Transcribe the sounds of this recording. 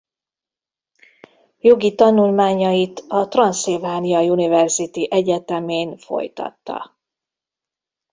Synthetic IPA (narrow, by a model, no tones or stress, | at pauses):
jo̞ɡit̪ɒnulmaːɲɒjit̪ɒt̪rɒnsevaːnijɒjunivɛrzit̪iʔɛɟɛt̪ɛmeːnfo̞̰jt̪ɒ̰t̪ːɒ̰